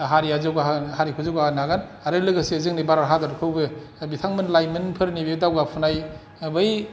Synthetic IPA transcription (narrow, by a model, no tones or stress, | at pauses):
ɦaɾiazɯɡahaɾikʰuzɯwɡaɡanaɡanaɾɯlɯɡasizɯŋnibaɾaɾɦadaɾkʰɯwbɯ | bitʰaŋmɯnlajmɯnpʰɯɾnibedawɡapʰunaj | bɯj